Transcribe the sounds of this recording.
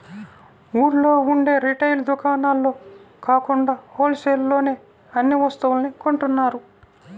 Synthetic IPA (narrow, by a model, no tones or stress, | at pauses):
muːɾlo̞ːuɳɖe̞ːɾiʈɐjld̪ukaːnaːlːo̞ː | kaːkuɳɖaːpoːlseːllo̞ːne̞ː | ɐnːiʋɐst̪ɐʋulnikoɳʈunːaːɾu